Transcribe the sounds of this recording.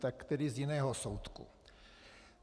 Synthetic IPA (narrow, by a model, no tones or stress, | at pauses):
t̪akt̪ɛdɪzjɪnɛːɦosowt̪kṵ